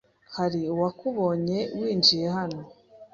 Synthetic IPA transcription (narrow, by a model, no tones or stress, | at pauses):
haɾiwakuβo̞ːɲe̞wiːnd͡ʒije̞ɦano̞